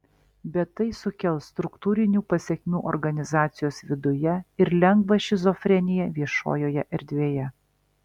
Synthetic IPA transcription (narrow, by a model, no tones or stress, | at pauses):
bʲɛt̪ːɐɪsʊkʲɛlˠst̪ɾʊkt̪uːɾʲɪnʲuːpɐsʲɛkʲmʲuːʔɔɾɡɐnʲɪzɑːt̪sʲɪjoːsʋʲɪd̪ʊjɛɪɾlʲɛŋɡʋɐʃʲɪzɔfʲɾʲɛnʲɪjɛʋʲiɛʃo̰ːjoːjɛʔɛɾʲd̪ʲʋʲeːjɛ